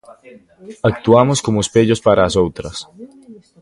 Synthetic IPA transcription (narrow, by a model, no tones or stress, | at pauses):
ak̚t̪uamoskomospeʎospaɾaːsowt̪ɾɐs